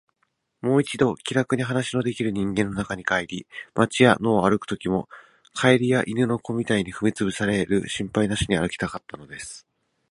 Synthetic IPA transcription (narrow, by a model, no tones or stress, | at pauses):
mo̞ːit͡ɕid̪o̞kʲiɾakɯ̟ɲ̟iɦanaɕino̞d̪e̞kʲiɾɯ̟ɲ̟ĩŋɡẽ̞nːo̞nakaɲ̟ikaeɾʲimat͡ɕija̰no̞ːaɾɯ̟kɯ̟̥t̪o̞kʲimo̞ | kʰaiɾʲijaʔinɯ̟no̞ko̞mʲit̪aiɲ̟iɸɯ̟mʲit͡sɨbɯ̟saɾe̞ɾɯ̟̰ɕĩmpainaɕiɲ̟iaɾɯ̟kʲi̥t̪akat̪ːano̞d̪e̞sɨ̥